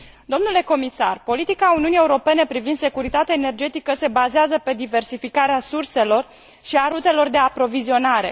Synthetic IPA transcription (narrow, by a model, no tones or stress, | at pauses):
d̪o̞mnule̞ko̞misa̰rpo̞lit̪ikauniunie̞uɾo̞pe̞ne̞pɾivind̪se̞kuɾit̪at̪eaene̞rd͡ʒe̞t̪ikəse̞bazeazəpe̞d̪ive̞rsifikaɾeasurse̞lo̞r | ʃiaɾut̪e̞lo̞rd̪e̞apɾo̞vizio̞naɾe̞̰